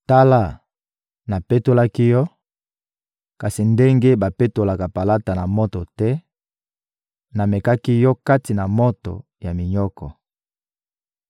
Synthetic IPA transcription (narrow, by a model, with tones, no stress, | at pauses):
ta˦la˦˨ | na˨pe˦to˦la˦ki˦jɔ˦ | ka˨si˨nde˦ŋɡe˦ba˨pe˦to˨la˨ka˨pa˨la˦ta˨na˨mɔ˦tɔ˨tɛ˦ | na˨mɛ˨ka˦ki˦jɔ˦ka˦ti˨na˨mɔ˦tɔ̰˨ | ja˨mi˨ɲɔ˦kɔ˨